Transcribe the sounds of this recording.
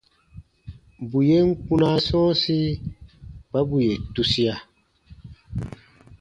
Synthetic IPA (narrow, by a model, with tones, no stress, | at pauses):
bu˨je˦ŋ̩˦ku˦na˦sɔ̃ː˦si˦ | b̥a˦bu˨je˨tu˦si˦a˨